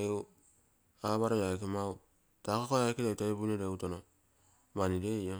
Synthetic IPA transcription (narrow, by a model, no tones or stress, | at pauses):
ew | aβaɾojajkemaw | takokojaikedetaebunedeutono | manidejo